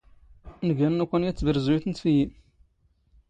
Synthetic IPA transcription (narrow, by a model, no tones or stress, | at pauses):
nəɡænnækʷːænjæt͡sːvəɾzujuθənt̪fiji